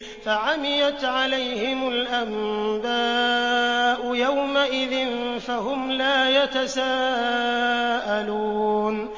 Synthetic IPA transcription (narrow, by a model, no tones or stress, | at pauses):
faʕamɪjat̪ʕalajhɪmʊlʔamd̪aː | ʔʊjawmaʔɪðɪnfaɦʊmlaːjat̪asaː | ʔaluːn